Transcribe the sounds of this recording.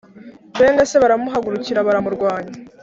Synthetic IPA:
be̞ːnɡase̞βaɾamuɦaɡuɾuciɾaβaɾamuɾɡwaːɲa

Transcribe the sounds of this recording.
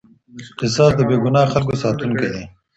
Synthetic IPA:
qɪsɑsd̪əbeɡʊnɑxalkosɑːt̪unked̪e

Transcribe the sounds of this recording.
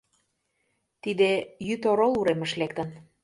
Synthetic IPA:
t̪id̪ejyt̪oɾoluɾeməʃlek̚t̪ə̆n

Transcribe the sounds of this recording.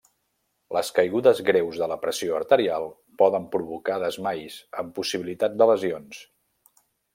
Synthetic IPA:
lʔəskəjɣuðəzɣɾewzðələpɾəsioəɾt̪əɾialˠ | pɔðəmpɾuβukaðəzmajsəmpusiβilit̪at̪̚d̪ələzions

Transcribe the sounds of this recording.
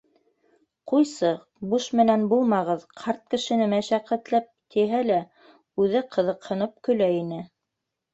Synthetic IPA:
qujsɤ | buʃmɘ̆nænbulˠmɑʁɤðqʰɑɾt̪̚kɘ̆ʃɘ̆nɘmæʃæqːæt̪læp̚t̪iɦælæ | ʉðɘqʰɤ̆ðɤ̆qhɤ̆nɤp̚kɵ̆læinɘ

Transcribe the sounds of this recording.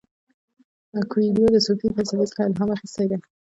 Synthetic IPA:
akwid̪od̪əsofifalsalet͡sə̥χaɪlɦamaxist̪ajd̪e

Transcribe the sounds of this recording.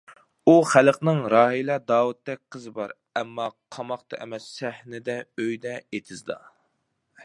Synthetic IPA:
uχælqnɨŋɾɑːɦilˠɑd̪ɑːwut̪ːɛk̚ʲqʰəzɨbɑɾ | ɛmːɑqʰɑmɑχt̪ɑ̰ʔɛ̰mɛsːæhnɪd̪ɛøjd̪ɛet̪ʰɪzd̪ɑ̰

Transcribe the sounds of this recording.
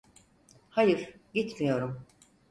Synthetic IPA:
hajɯɾ̥ɟit̪mijo̞ɾum

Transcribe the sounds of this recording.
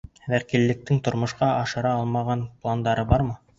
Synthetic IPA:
vækilːɘ̆k̚t̪ɘŋt̪ŏɾmŏʃqɑʔɑʃɤ̆ɾɑɑlˠmɑʁɑnplˠand̪ɑɾɤbɑɾmɤ

